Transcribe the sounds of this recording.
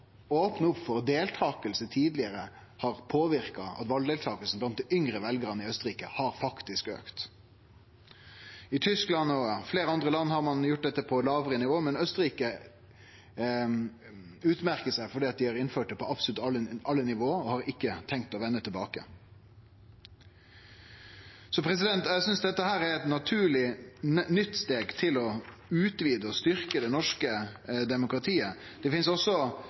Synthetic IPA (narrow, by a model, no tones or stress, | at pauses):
oːpnəʊpfɔʁd̪eːlt̪ʰɑːkəlsət̪ʰiːd̪lɪəɾə | hɑɾpʰoːʋɪɾkɑɑ̰t̪ʋɑld̪ɛːlt̪ʰɑːkəlsn̩blɑnt̪̚d̪ɪʏŋɾəʋɛlɡəɾənəɪœst̪əɾiːkəhɑɾfɑkt̪ɪskø̰ːkt̪ | ɪt̪ʰʏsklɑnɔfleːɾəɑnd̪ʁəlɑnːhɑʁmɑnjʊʈ̚d̪ɛt̪ːəpʰɔlɑːʋəɾənɪʋoːmɛnœst̪əɾiːkə | ʉːt̪mæɾkəsæɪfɔɖiːɑt̪̚d̪ɪhɑɾɪnføːʈ̚d̪ɛpʰɔʔɑpsɔlʉt̪ɑɑlːənɪʋoːəɾɔhɑɾɪkːət̪ʰɛŋk̚t̪ɔʋɛnːət̪ʰɪlbɑ̰ːkə̰ | sɔpʰɾɛs̬ɪd̪ɛnt̪æsʏnsd̪ɛt̪ːəhæːɾɛɾɛt̪nɑt̪ʰʉːɭɪnʏt̪ːst̪eːɡt̪ʰɪlɔʉːt̪ʋiːd̪əɔst̪ʏɾkəd̪ɛnɔʂkəd̪ɛmʊkɾɑt̪ʰiːəd̪̥ɛfɪnsɔsːɔ